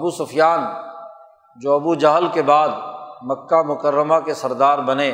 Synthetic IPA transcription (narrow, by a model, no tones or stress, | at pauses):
ɐbusʊfʰjaːn | d͡ʒoːɐbud͡ʒɐɦlkebaːd̪mɐkːamʊkəɾːəmakesɐɾd̪aːɾbɐneː